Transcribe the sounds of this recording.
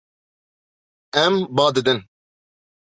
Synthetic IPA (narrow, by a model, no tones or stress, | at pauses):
ɛmbɑːd̪ɨd̪ɨn